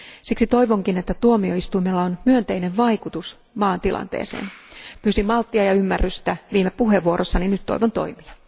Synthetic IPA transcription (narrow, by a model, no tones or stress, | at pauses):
siksit̪o̞iʋoŋkinet̪ːæt̪uomio̞ist̪uimelːɑonmyønt̪e̞ineʋʋɑikut̪us | mɑːnt̪ilʔɑ̰nt̪ḛːsḛːnpyːsimɑlt̪ːiɑjɑymːærːyst̪æʋiːmepuɦeʋuoɾʔosːɑninyt̪t̪ːo̰iʋont̪o̞̰imiɑ